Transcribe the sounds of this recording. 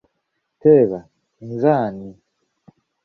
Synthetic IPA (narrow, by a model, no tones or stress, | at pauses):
tɛβa | inzani